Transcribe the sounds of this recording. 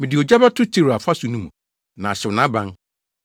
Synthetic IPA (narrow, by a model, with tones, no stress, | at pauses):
mĩ˨dɪ˨o˨d͡ʑa˦ba˦tʰʊ˦tʰi˦˨ɾa˨fa˦su˨nũ˦mũ˨ | nã˨ɕɛ˨wʊ˨nã˦bã˦n